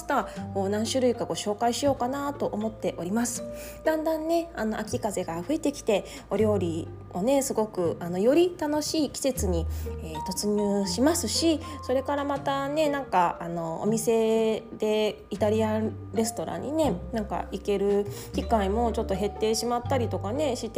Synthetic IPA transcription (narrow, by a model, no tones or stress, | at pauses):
t̪ako̞ːnãɰ̃ɕɨɾɯ̟ikaɡo̞ɕo̞ːkaiɕijo̞ːkanat̪o̞ʔomo̞t̪ːe̞ʔo̞ɾʲimasɨ̥ | d̪̥ãnd̪ãnːe̞ano̞ʔakʲikaze̞ɡaɸɯ̟e̞t̪e̞kʲi̥t̪e̞ | o̞ɾʲjo̞ːɾʲi | o̞ne̞sɨɡo̞kɯ̟ano̞jo̞ɾʲit̪ano̞ɕiːkʲi̥se̞t͡sɨɲ̟ieːt̪o̞t͡sɨɲ̟ɨːɕimasɨɕiso̞ɾe̞kaɾamat̪ane̞nãŋkaano̞o̰mʲise̞d̪̥e̞ | it̪aɾʲiã | ɾe̞sɨ̥t̪o̞ɾã̰ɲ̟ːine̞nãŋka̰ike̞ɾɯ̟ | kʲikaimo̞t͡ɕo̞t̪ːo̞ɦe̞t̪ːe̞ːɕimat̪ːaɾʲit̪o̞kane̞ɕit̪e